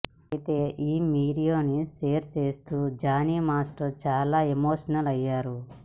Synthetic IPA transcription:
it̪e̞ːʔiːmiːɖijoːniseːɾt͡ʃe̞ːst̪uːd͡ʒaːniːmaːsʈɐɾt͡ʃaːlaːemoːʂɐnɐlɐjːaːɾu

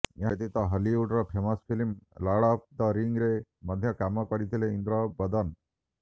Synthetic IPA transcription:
jat̪it̪aɦəliuʈɾəpʰemasfilimlaɽapd̪aɾiŋɡɾeməd̪ʱjəkamakəɽit̪ileind̪ɾəbəd̪ən

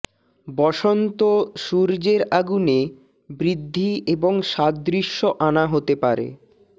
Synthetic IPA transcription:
bɔʃont̪oʃuɾd͡ʑeɾaɡune | bɾid̪ʱːieboŋʃat̪̚d̪ɾiʃːoʔanaɦot̪epaɾḛ

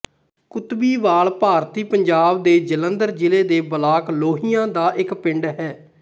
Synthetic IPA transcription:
kʊt̪biːʋaːɭpaːɾt̪iːpəɲd͡ʒaːbd̪eːd͡ʒələnd̪əɾd͡ʒɪleːd̪eːbəlaːkloːɦijãːd̪aːʔɪkpɪɳɖɦɛː

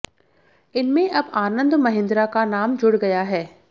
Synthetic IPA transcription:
ɪnmẽʔɐbaːnə̃nd̪mɐɦɪ̃nd̪ɾakanaːmd͡ʒʊɽɡɐjaɦɛː

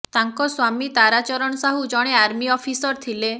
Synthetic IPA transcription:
t̪aŋkɔswamit̪aɾat͡ʃɔɾɔɽ̃ɔsaɦud͡ʒɔɽ̃eaɾmiɔfʰisɔɾt̪ʰile

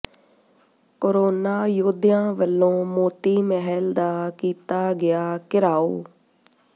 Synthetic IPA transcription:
koːɾoːnaːjoːd̪ɪjãːʋəlːõːmoːt̪iːməɦəld̪aːkiːt̪aːɡɪjaːkɪɾaːo̰ː

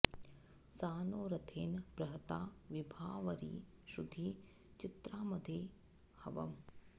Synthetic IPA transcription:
saːnoːɾɐt̪ʰeːnpɾɐɦɐt̪aːʋibʱaːʋɐɾḭː | ʃud̪ʱiː | t͡ʃit̪ɾaːmɐd̪ʱeː | hɐʋɐ̰m

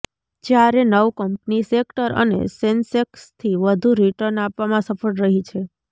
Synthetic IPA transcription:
d͡ʒjaɾenəʋkəmpnisek̚ʈəɾə̰nḛsensekst̪ʰiʋəd̪ʱuɾiʈəɾnapʋamãsəfəɽɾəɦit͡ʃʰe

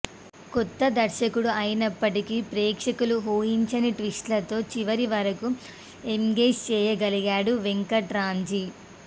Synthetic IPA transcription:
kɔt̪ːɐd̪ɐɾʃɐkuɽuɐjinɐpːɐʈikiːpɾɛːkʂɐkuluɦoːjiɲt͡ʃɐniʈʋisʈlɐt̪o̞ːt͡ʃiʋɐɾiʋɐɾɐku | eŋɡe̞ːd͡ʒt͡ʃɛːjɐɡɐliɡaːɽuʋeŋkɐʈɾaːɲd͡ʒi

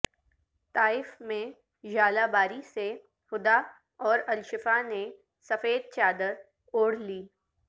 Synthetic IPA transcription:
t̪aːɪfmẽ | ʒaːlabaːɾise | hʊd̪a | ɔːɾɐlʃɪfane | sɐfeːd̪̚t͡ʃaːd̪əɾ | oːɽ̤liː

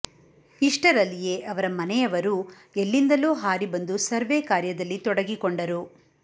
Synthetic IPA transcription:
iʂʈɐɾɐlːijeːʔɐʋɐɾɐmɐnɛɐʋɐɾu | elːind̪ɐloːɦaːɾibɐnd̪usɐɾʋeːkaːɾjɐd̪ɐlːit̪ɔɽɐɡikoɳɖɐɾu

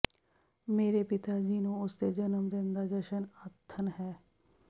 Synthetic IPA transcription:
meːɾeːpɪt̪aːd͡ʒiːnũːʊst̪eːd͡ʒənəmd̪ɪnd̪aːd͡ʒəʃənət̪ʰːənɦɛː

